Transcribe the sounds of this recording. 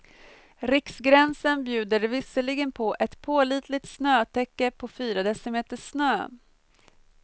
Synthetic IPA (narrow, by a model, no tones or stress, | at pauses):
ɾɪksɡɾɛnsənbjʉ̟ːd̪əɾvɪsəlɪɡənpʰɔʔɛt̪pʰoːliːt̪ʰlɪt̪snøːt̪ʰɛkːəpʰɔfyːɾad̪ɛsəmeːt̪əʂnøː